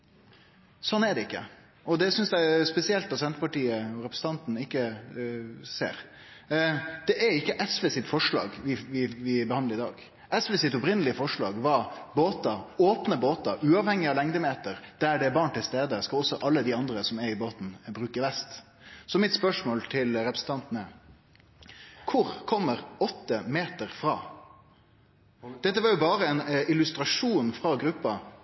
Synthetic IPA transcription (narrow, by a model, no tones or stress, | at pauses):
sɔnːæɖɛɪkːə̰ | ʔɔd̪ɛsʏnsd̪æɪspɛsɪɛlt̪d̪ɑt̪sɛnt̪əpɑʈiːəɔɾɛpɾəsn̩t̪ɑnt̪n̩ɪkːə | sḛːɾ | d̪̥ɛʔæɾɪkːəʔɛsʋeːsɪt̪fɔʂɭɑ̰ːɡʋɪʋɪʋɪbəhɑnd̪əɾɪd̪ɑːɡ | ʔɛsʋeːsɪt̪ɔpɾɪnəlɪəfɔʂɭɑ̰ːɡʋɑɾboːt̪ɑoːpnəboːt̪ɑʉːɑʋhɛŋːɪɑlɛŋd̪əmeːt̪əɾd̪̥æɖɛːbɑːɳʈ̪ɪlst̪eːd̪əskɑɔsːɔʔɑlːəd̪ɪɑnd̪ɾəsɔmɛɾɪboːt̪n̩bɾʉːkəɾʋɛst̪ | sɔmɪt̪spœʂmoːlt̪ʰɪlɾɛpɾəsn̩t̪ʰɑnt̪ənə | kʰʊɾkʰɔmːəɾɔt̪ːəmeːt̪əɾfɾɑː | d̪̥ɛt̪ːəʋɑɾjʊbɑːɾəɛnɪlʉst̪ɾɑʂuːnfɾɑɡɾʉpːɑ